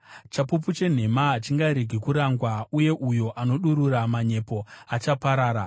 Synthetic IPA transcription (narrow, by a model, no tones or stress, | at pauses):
t͡ʃapup̬ut͡ʃe̞n̤e̞maɦat͡ʃiŋɡaɾeɡʱikuɾaŋɡwauje̞ʔujo̞ʔano̞ɗuɾuramaɲe̞po̞at͡ʃapaɾaːɾa